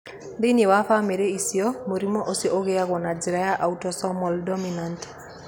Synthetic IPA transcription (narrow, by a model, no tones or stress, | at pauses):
ndenewafameɾeisiɔmoɾimɔʔosiʔoɣeaɣɔnad͡ʒiɾajaʔautɔsɔmɔldɔminant